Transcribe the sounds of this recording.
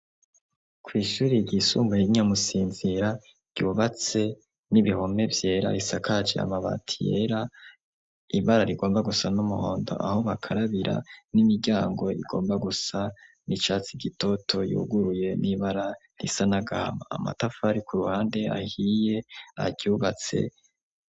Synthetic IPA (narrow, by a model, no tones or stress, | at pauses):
kwiːʃuːɾiɟisuːmbaiɲamusiːnziɾa | ɟ̥uːβat͡se̞ | niβiho̞me̞vje̞ːɾa̰ɾisakad͡ʒḛa̰maβa̰tʰije̞̰ɾa | iβaɾaɾiɡo̞ːmbaɡusanumuho̞ːndo̞̰ʔa̰ho̞βakʰaɾaβiɾʔa̰nimiɟaːŋɡo̞ḭɡo̞ːmbaɡusa | nit͡ʃaːt͡siɡito̞tʰo̞jṵːɡuɾuje̞niβaɾa | ɾḭsanaɡaha̰ma̰ːma̰tafaɾikuɾuhaːnde̞a̰hije̞a̰ɟuːβat͡se̞̰